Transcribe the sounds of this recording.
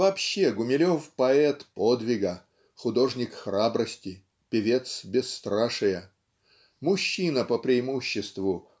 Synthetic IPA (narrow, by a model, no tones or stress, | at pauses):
vɐpɕːeɡʊmʲɪlʲo̞fpɐɛt̪pod̪vʲɪɡə | xʊd̪o̞ʐnʲɪkxrabɾəsʲtʲɪ | pʲɪvʲe̞t̪sbʲɪsːt̪ɾaʂɨjə | mʊɕːinəpəpɾʲɪɪmuɕːɪst̪vʊ